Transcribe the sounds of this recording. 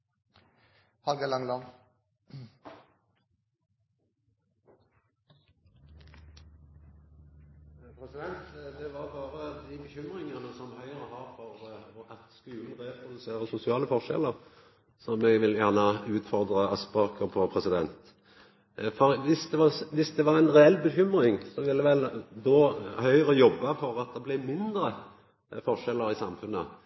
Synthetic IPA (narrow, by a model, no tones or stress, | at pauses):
hɑlɡɑlɑŋlɑ | pʰʁɛsɪd̪ɛnt̪d̪ɛʋɑʁbɑːʁəd̪ɪbəçʏmʁɪŋənəsɔmhœʏʁəhɑːʁfɔʁɔʔɑt̪skʉːln̩d̪ʁeːpʰʁʊd̪ʉseːʁəsʊsɪɑːləfɔʁʃɛ̰ləʁ | sɔmɛɡʋɪljæʁnəʉːt̪fɔʁd̪ʁəɑspɑkʰəpʰɔpʰʁɛsɪd̪ɛnt̪ | fɔɾʋɪsd̪ɛʋɑʋɪsd̪ɛʋɑʁæɪnʁɛɛlːbəçʏmʁɪŋsɔʋɪlːɛʋɛld̪oːhœʏəʁəjɔbːɑfɔɾɑt̪̚d̪ɛblɪmɪnd̪ɾə | fɔʂɛlːəɾɪsɑmfʉnːə